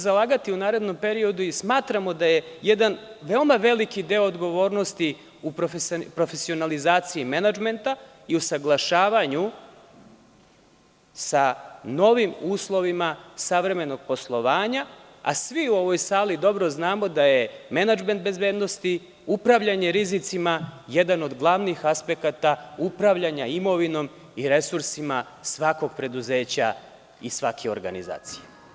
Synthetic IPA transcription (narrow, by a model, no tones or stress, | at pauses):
zalˠaːɡat̪iunaːɾed̪no̞mpe̞ɾio̞d̪uismaːt̪ɾamo̞d̪aje̞jed̪anʋe̞omaʋe̞likid̪e̞oːd̪ɡo̞ʋo̞ːɾnost̪i | upɾofpɾo̞fe̞sio̞nalizaːt̪siimenad͡ʒme̞nt̪a | iusaɡlˠaʃaːʋaɲu | sano̞ʋimuːslˠo̞ʋimasaʋɾe̞me̞no̞ɡ̥̚po̞slˠoʋaːɲa | a̰sʋiuo̞ʋo̞jsaːlid̪o̞bɾo̞znaːmo̞d̪aje̞menad͡ʒment̪̚be̞zbe̞ːd̪no̞st̪i | upɾaʋʎaɲe̞ɾizit̪simaje̞d̪ano̞d̪ɡlˠaʋnixaspe̞kat̪aupɾaʋʎaɲaimo̞ʋino̞m | iɾe̞suɾsimasʋako̞ɡ̚pɾe̞d̪uze̞ːt͡ɕa | isʋakʰeo̰ɾɡa̰niza̰ːt̪si̥je